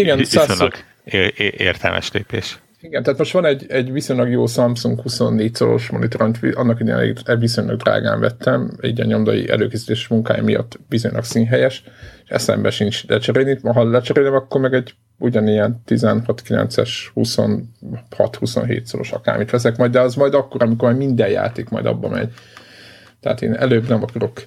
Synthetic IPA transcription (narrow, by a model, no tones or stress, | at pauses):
iɡɛnsaː | ʔeːrt̪ɛlmʔɛ̰ʃlḛːpeːʃ | iɡɛnt̪æaːt̪mo̞ʃt̪ʋɒnɛɟɛɟviso̞ɲlɒɡjoːsɒmpsuŋkhusonːeːc̪̚soɾo̞̰ʃmo̞nit̪o̞ɾɒnt̪ʋiʔɒnːɒkid̪ḛnɛ̰lḛːɡɛʋiso̞ɲlɒ̰ɡd̪ra̰ːɡa̰ːɱvɛt̪ːɛmiɟɒɲo̞md̪ɒjḭʔɛ̰løːkeːsi̥t̪eːʃmuŋkaːjɒ̰mijɒ̰t̪ːʋizo̞ɲlʔɒ̰ksiːnɦɛjɛʃeʃɛ̰sɛ̰mbɛʃint͡ʃlɛt͡ʃɛɾeːlniɦɒlɛt͡ʃɛɾeːlɛmɒkːo̞rmɛɡɛɟ | uɟɒnijɛnt̪izɛnhɒt̪kilɛ̰nt̪sɛʃhuso̞̰nhɒ̰t̪husonɦḛːt̪solo̰ʃɒka̰ːrmiʃʋɛsɛkmɒjd̪ɛɒzmɒjd̪ɒkːoɾɒmikormɛmind̪ɛjja̰ːt̪eːkmɒ̰jd̪ɒ̰bːɒ̰mɛ̰ɟ | t̪ɛa̰ːt̪ḛːnɛ̰løːbnɛmɒkɒro̞k